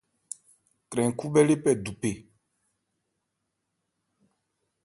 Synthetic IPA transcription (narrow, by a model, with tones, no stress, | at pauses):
kɾɛ̃˨ŋ˨ku˦bɛ˦le˦pɛ˨du˨pe˨